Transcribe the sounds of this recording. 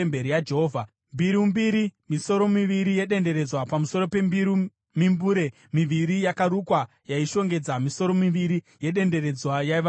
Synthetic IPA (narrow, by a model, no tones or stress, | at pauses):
mbeɾijad͡ʒeɦoːvʱa | mbiɾimbiɾimiso̞ɾo̞miʋiɾije̞ɗe̞nde̞ɾe̞d͡zwapamuso̞ɾo̞pe̞mbiɾi | mimbuːɾe̞ | miʋiɾijakaɾukwa | jaiʃo̞ŋɡe̞d͡zamiso̞ɾo̞miʋiɾi | je̞ɗe̞nde̞ɾe̞d͡zwajaiʋa